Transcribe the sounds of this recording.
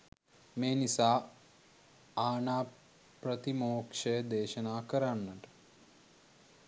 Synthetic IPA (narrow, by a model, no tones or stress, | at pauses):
meːnisaː | aːnaː | prət̪imoːkʂəjəd̪eːʃənaːkəɾanːəʈə̥